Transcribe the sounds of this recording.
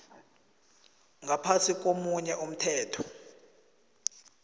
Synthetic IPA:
ŋɡapʰasik̬ʼomuɲɛʔum̩tʰɛːtʰɔ̥

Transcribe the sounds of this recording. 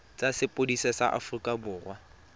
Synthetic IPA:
t͡sʼasɪpʼodisɛsa̰ʔa̰fʊrikʼabʊːrwa

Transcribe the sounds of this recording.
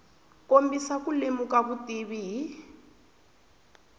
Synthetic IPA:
kombisakulemukaβutiβiɦi

